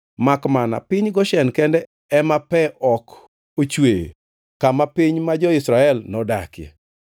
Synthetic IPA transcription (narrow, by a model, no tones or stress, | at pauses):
makmana̰pɪɲɡɔʃɛnkɛndɛ | ɛmapɛʔɔk | ot͡ʃwejḛ | kamapiɲmad͡ʒɔɪsɾaɛlnɔda̰kjɛ̰